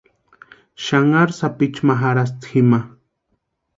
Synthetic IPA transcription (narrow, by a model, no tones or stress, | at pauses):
ʃaŋaɾsapit͡ʃmaɦaɾas̬t̪xima